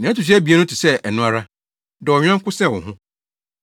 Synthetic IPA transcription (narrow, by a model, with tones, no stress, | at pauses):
nã˨˦tu˨ɕ̬æ˦bi˨æ˦nʊ̃˦tʰi˨sɛ˦ʔɛ˨nʊ̃˦a˦ɾa˦ | dɔ˨ɔ˨ɲᶣ˦ã˦ŋ˦kʊ˦sɛ˦˨ʊ̰̃˨ɦʊ̃˦